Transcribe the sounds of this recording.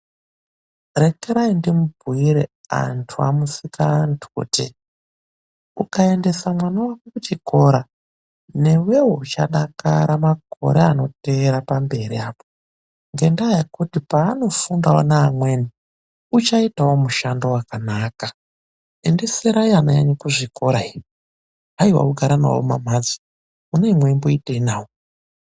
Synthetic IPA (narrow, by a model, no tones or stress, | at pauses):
re̞keɾaindimub̚ʱuiɾḛa̰ntʰua̰musikaːntʰu̥ṵːtḭ | ṵkae̞nde̞samwanawakukut͡ʃiko̞ɾa | ne̞we̞wuut͡ʃa̰ɗaka̰ɾamakʰo̞̰ɾeano̞teːɾapambe̞ɾiaːpo̥ | ŋɡe̞ndajakutipaːno̞fundawo̰naːmwe̞ni | ut͡ʃaitawomuʃando̞wakanaːka | e̞nde̞seɾaianajaɲikuʐiko̞ɾai | ɦaiwa̰uɡʱaɾana̰wo̰ma̰mad͡zi̥ | uneimwemboiteinaːwo